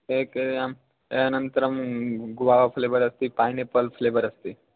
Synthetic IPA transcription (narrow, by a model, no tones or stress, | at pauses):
eːkeam | eɐnənt̪ɾɐmɡʊʋaːʋapʰleːbəɾɐst̪ipaːjnepɐlpʰleːbəɾɐst̪i